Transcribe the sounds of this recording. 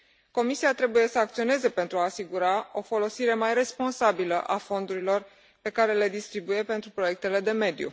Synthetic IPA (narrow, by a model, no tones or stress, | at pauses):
ko̞misiat̪ɾe̞buje̞səak̚t̪sio̞ne̞ze̞pe̞nt̪ɾuaːsiɡuɾao̞fo̞lo̞siɾe̞majre̞spo̞nsabiləʔafo̞nd̪uɾilo̞r | pe̞kaɾe̞le̞d̪ist̪ɾibuje̞pe̞nt̪ɾupɾo̞je̞k̚t̪e̞le̞d̪e̞me̞d̪jṵ